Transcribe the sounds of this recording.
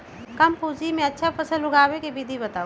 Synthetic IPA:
kɐmpuːd͡ʒimẽɐtːʃʰapʰəsəlʊɡaːwekebid̪ʱibɐt̪aːu

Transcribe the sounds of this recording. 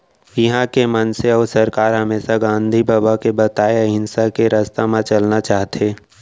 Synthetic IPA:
jəɦãkemɐnseɔːɾsɐɾkaːɾɦɐmeːsaɡãːnd̪ʱibaːbakebɐt̪aːeɦɪnsakeɾəst̪amãt͡ʃɐlnat͡ʃaːɦt̪ʰeː

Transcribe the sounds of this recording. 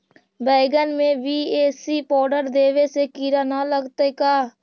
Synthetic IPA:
bɛːɡənmẽʋiːeːsiːpɔːɖəɾd̪eːʋesekiːɾaːnaləɡt̪ekaː

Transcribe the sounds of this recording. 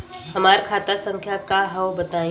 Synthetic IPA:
ɦɐmaːɾkʰaːt̪asə̃ŋkʰjakaɦɛobɐt̪aːẽ

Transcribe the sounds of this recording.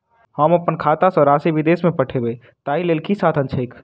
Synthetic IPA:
hɐmɐpːənkʰaːt̪asɔɾaːsiʋɪd̪eːsmẽpɐʈʰebe | t̪aːileːlkʰisaːt̪ʰə̃nt͡ʃʰəɪk

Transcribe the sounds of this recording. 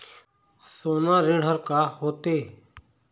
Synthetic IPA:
soːnãːɾɪɽ̤ɦəɾkaːhoːt̪eː

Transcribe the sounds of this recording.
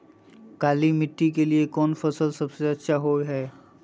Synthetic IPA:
kalimitːik̬eliekɔnpʰɔsɔlsɔbsiɔsaɦojɦɛj

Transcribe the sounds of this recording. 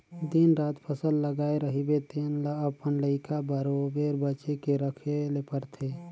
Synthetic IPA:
d̪inɾat̪pʰəsəlːəɡaeɾəɦibet̪enlaəpənləɪkʰabəɾobeɾbət͡ʃekeɾəkʰelepəɾt̪ʰe

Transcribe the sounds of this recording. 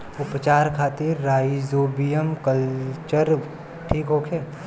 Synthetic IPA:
ʊpt͡ʃaːɾkʰaːt̪iɾːaːjizoːbijəmkəlt͡ʃəɾ | ʈʰiːkɦoːkʰeː

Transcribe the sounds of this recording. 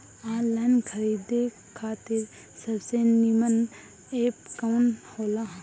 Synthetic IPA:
ãːlankʰəɾiːd̪e | kʰaːt̪ɪɾ | səbsenimən | eːpkawnhoːlaɦ

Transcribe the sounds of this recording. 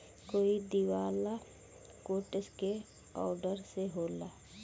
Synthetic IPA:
koːid̪iwaːla | koːʈəske | ɔːɖəɾseɦoːla

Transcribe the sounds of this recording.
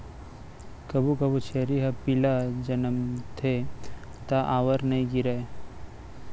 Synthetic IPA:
kɐbukɐbut͡ʃʰeːɾiɦɐpilad͡ʒɐnəmt̪ʰet̪aʔaːʋəɾnɐĩɡiɾae

